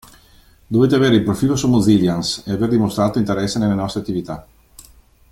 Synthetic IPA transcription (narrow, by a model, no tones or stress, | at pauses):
d̪oveːt̪eaveːɾeilpɾofiːlosomːoziljanseaverd̪imost̪ɾaːt̪oint̪eɾɛsːenelːenɔst̪ɾeat̪ːivit̪a